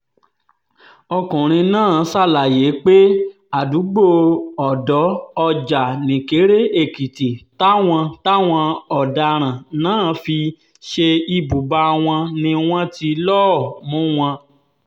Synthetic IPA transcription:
ɔ˧kũ˨ɾ̃ĩ˧nãː˦˨˦sa˦˨la˨je˨˦k͡pe˦ | a˨du˨˦ɡ͡bo˦˨ɔ˨dɔ˨˦ɔ˧d͡ʒa˨nĩ˨ke˨˦ɾe˦e˦˨ki˨ti˨ta˦w̃ɔ̃˧ta˦w̃ɔ̃˧ɔ˨da˧ɾ̃ã˨nãː˦˨fi˧ | ʃe˧i˧bu˨ba˧w̃ɔ̃˧nĩ˧w̃ɔ̃˦ti˧lɔ˦˨mũ˦w̃ɔ̃˧

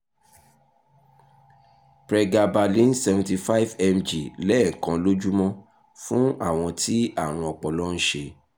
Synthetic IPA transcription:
pɾɛ˧ɡa˧ba˧lĩ˨˦n˦sɛ˧vũ˨ti˧fa˦i˦vɛ˧md͡ʒi˨lɛ˦˨kã˧lo˦d͡ʒu˦mɔ̃˦ | fũ˦a̰˦˨w̃ɔ̃˧tʰi˦a˦˨ɾ̃ũ˧ɔ˨k͡pɔ˨lɔ˦n̩˦ʃe˧

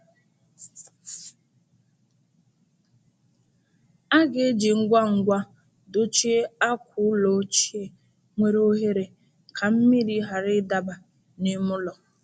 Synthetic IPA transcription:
a˦ɡe˨˦d͡ʒi˨ŋ̩˦ɡʷa˦ŋ̩˨ɡʷa˦ | do˦t͡ʃi˦e˦a˦kʷʰʊ˦lo˨˦t͡ʃi˦e˦ | ŋʷe˦ɾo˦ɦe˦ɾe˨ | kʰa˨m̩˦mi˦ɾi˦ɦa˨ɾɪ˦da˨ba˨ | ni˦mʊ˦lɔ˨

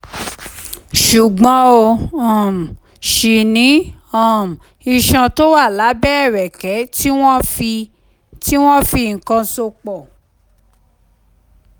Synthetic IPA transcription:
ʃu˨ɡ͡bɔ̃˨˦o˧ɔ̃˨m̩˨ | ʃi˨nĩ˨˦ã˦˨m̩˨ | i˧ʃã˧to˦wa˦˨la˨˦bɛ˦˨ɾɛ˨kɛ˨˦ti˦wɔ̃˦fi˧ | ti˦w̃ɔ̃˦fi˧˨ŋ̩˨kã˧so˧k͡pɔ˨

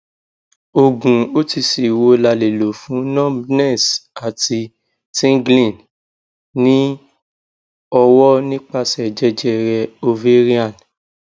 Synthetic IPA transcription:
o˨ɡũ˨o˦ti˧si˨wo˧la˧le˨lo˨fũ˨˦nɔ̃˦bnɛ̃˦˨sa˨ti˧ | sĩ˦ŋɡlĩ˦˨n | nĩ˦ | ɔ˧wɔ˦nĩ˦k͡pa˧sɛ˨d͡ʒɛ˦d͡ʒɛ˧ɾɛ˧o˧ve˦ɾi˦a˦˨n

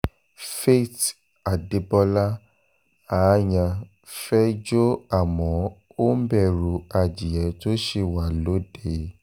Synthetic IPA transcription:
fe˦˨t | a˨de˨˦bɔ˧la˦ | a˨˦jã˧ | fɛ˦d͡ʒo˦a˦˨mɔ̃˨˦ | o˦m̩˦bɛ˦˨ɾu˧a˧d͡ʒi˨jɛ˨˦to˦ʃe˧wa˨lo˨˦de˦˨

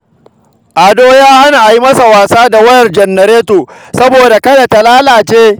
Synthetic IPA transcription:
ʔa˨doː˦jaː˦ha˦na˨ʔa˨ji˦mɐ˦sa˨waː˨saː˦da˨wɐ˦jɐ˨rd͡ʒɐ˨nːɐ˨ɾeː˦toː˨sɐ˦boː˨da˨kɐ˦da˨ta˨laː˦laː˨t͡ʃeː˦

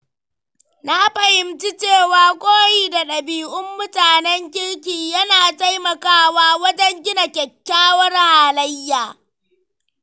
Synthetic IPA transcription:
na˦ɸɐ˨hɪ˨mt͡ʃi˦t͡ʃeː˦˨waː˨kʷʼoː˦jiː˨da˨ɗɐ˨biː˨ʔʊ˦mːʊ˦taː˨nɛ˦ŋkʲɪ˦lk̬ʲiː˨jɐ˦naː˨ta˦jmɐ˨kaː˦waː˦wɐ˦d͡ʒɛ˦ŋɡʲɪ˦na˨kʲɛ˨kʲːaː˦wɐ˦rhaː˨lɐ˦jːaː˨

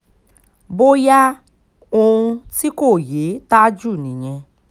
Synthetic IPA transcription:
bo˦ja˦ | õ˧ũ˧ti˦ko˦˨je˨˦ta˦d͡ʒu˦˨nĩ˨ɲ̃ɛ̃˧

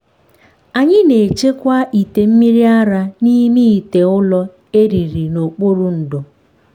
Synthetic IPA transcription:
a˨ɲɪ˦ne˨t͡ʃe˦kʷa˦ʔi˨te˨m̩˦mi˦ɾi˦a˦ɾa˦ni˦mi˦i˨te˨ʊ˦lɔ˦ | e˦ɾi˨ɾi˨no˨k͡po˦ɾʊ˨n̩˨dʊ˨

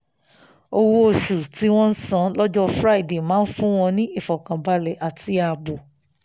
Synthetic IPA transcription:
o˧wo˦o˨ʃu˨ti˨˦w̃ɔ̃˦n̩˦sã˦lɔ˦d͡ʒɔ˦fɾa˦i˨de˨mãː˨˦n̩˦fũ˦w̃ɔ̃˧nĩ˦i˦˨fɔ˨kã˨ba˧lɛ˨ʔa˨tʰi˧a˧˨bo˨

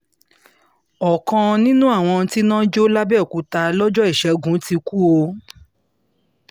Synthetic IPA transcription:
ɔ˨kã˧nĩ˦nũ˦a˦˨w̃ɔ̃˧ti˦nã˦d͡ʒo˦la˦bɛ˦˨ku˨˦ta˧lɔ˦d͡ʒɔ˦i˦˨ʃɛ˨˦ɡũ˨˦ti˧ku˦o˧

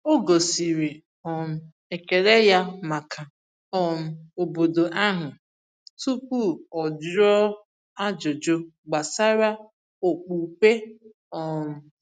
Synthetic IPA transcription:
o˦ɡo˨si˨ɾi˨ | ɔ˨m̩˨ | e˨ke˨ɾe˦ja˦ma˨kʰa˨ | ɔ˨m̩˨o˨bo˨do˨ʔa˦ɦʊ˨ | tu˦pu˦˨ɔ˨d͡ʒɔ˦ | a˦d͡ʒo˨d͡ʒo˦ɡ͡ba˨sa˦ɾa˦ | o˨k͡pu˨pe˦ | ɔ˨m̩˨

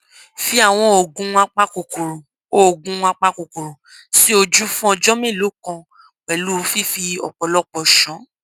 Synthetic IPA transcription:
fi˦a˦˨w̃ɔ̃˧o˨ɡũ˨˧a˧k͡pa˦ko˨ko˨ɾo˨ | o˦o˨ɡũ˧a˧k͡pa˧ko˨ko˨ɾo˨ | si˦o˧d͡ʒu˦fũ˦ɔ˧d͡ʒɔ˦mẽ˦˨lo˨˦kɔ̃˧ | k͡pɛ˨lu˦ɾu˧fi˦fi˧ɔ̰˨k͡pɔ˨lɔ˦k͡pɔ˨ʃɔ̃˨˦

